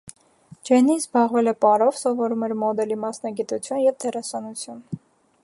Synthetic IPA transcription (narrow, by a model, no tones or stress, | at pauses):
d͡ʒɛnizbɑʁvɛlɛpɑɾɔvsɔvɔɾumɛɾmɔd̪ɛlimɑsnɑɡit̪ut͡sʰjunjɛvd̪ʰɛrɑsɑnut͡sʰjun